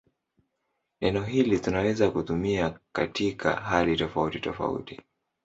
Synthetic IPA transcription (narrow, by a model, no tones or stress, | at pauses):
nɛnɛɔɦilitunawɛzakutumiakatʰikʰa̰ɦalitɔfautitɔfa̰ṵti̥